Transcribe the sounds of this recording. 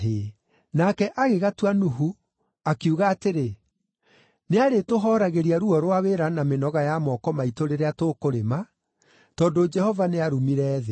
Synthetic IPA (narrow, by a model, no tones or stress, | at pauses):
ɦe | nakɛʔaɣeɣatuanuɦu | akiuɣaːteɾe | neaɾetoɦɔɾaɣeɾiaɾuɔɾwaweɾanamenɔɣajamɔkɔmaitoɾeɾeatokoɾema | tɔdod͡ʒɛhɔvaneaɾumiɾɛːðe